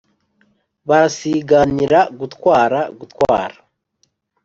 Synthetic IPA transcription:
βaɾasiɡaniɾaɡutkwaːɾaɡutwaːɾa

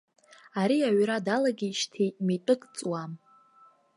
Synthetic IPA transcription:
aɾiaɥɾadalaɡʲiːʃtʰejʼmetʼɨkʼt͡sʼwam

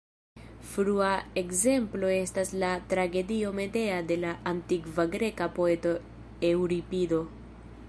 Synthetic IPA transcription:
fɾuae̞kze̞mplo̞e̞staslatɾaɡe̞dio̞me̞de̞ade̞laʔːntikvaɡɾe̞kapo̞e̞to̞ | e̞wɾipido̞

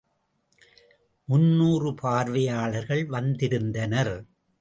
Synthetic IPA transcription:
mʊnːuːrɯpʰaːɾʋɐjaːɭɐɾɣɐɭʋɐnd̪ɪɾɯnd̪ɐnɐɾ

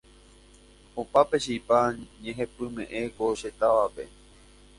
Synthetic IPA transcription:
opapeʃipaɲẽɦẽpɨmḛ̃ʔẽ̞koʃet̪aʋape̞̰

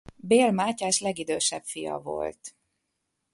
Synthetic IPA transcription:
beːlmaːcaːʃlɛɡid̪øːʃɛpfijɒ̰vo̞̰lt̪

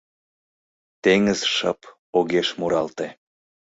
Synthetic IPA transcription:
t̪eŋəzʃɑp | oɣeʃmuɾɑlt̪e

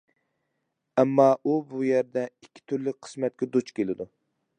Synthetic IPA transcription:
ɛmːɑʔubujæɾd̪ɛikʲʰːi̥t̪ʰyɾlɪk̚ʲqʰə̥smɛt̪̚kʲɛd̪ut͡ʃkʲelɪd̪u

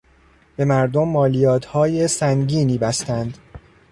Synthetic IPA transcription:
b̥e̞mæɾd̪omːɒːlijɒːt̪ʰhɒːjesæŋɟiːniːbæst̪ænd̪

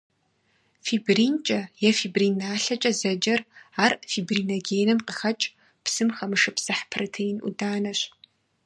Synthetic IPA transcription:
fibriːnt͡ʃʼɐjɛfiːbriːnaːɬɐt͡ʃʼɐzɐd͡ʒɐraːrfiːbriːnɐɡeːnɐmqəxɐt͡ʃʼ | psɨmxɐmɨʂɨpsɐħpʰrɐtʰejɪnʔṵdaːnɐɕ

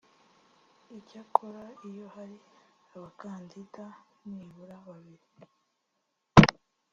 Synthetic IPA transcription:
icakʰoɾaijo̞haɾiaβakaːndidaniβuɾaβaβiɾi

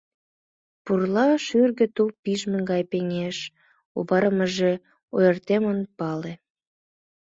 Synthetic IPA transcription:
purlɑʃyrɣə̆t̪upiʒmə̆ŋɡɑjpeŋeʃ | oβɑɾəməʒe | ojərt̪emonpɑle

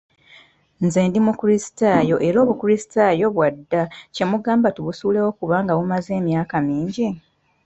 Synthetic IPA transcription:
nzeːndimukuɾisi̥taːjo̞ʔe̞ɾo̞ːβukuɾisi̥tajo̞βwadːace̞muɡaːmbatuβusuːle̞wo̞kuβaːŋɡaβumaze̞ːmjaːkamiːɲɟi

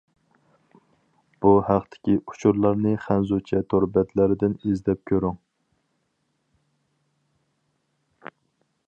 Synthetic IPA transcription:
b̥uhæqt̪ʰɪ̥kʲiu̥t͡ʃʰuɾlˠɑɾnɨχænzut͡ʃʰɛt̪ʰoɾbɛt̪ʰlæɾɪd̪ɪnizd̪ɛp̚kʲʰøɾyŋ

